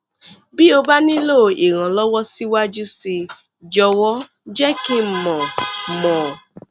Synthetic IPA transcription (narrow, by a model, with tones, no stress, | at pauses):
bi˦o˧ba˦nĩ˦lo˦˨i˨ɾ̃ã˨lɔ˦wɔ˦si˦wa˦d͡ʒu˦si˧ | d͡ʒɔ˧wɔ˦ | d͡ʒɛ˦ki˦m̩˦mɔ̃˨mɔ̃˨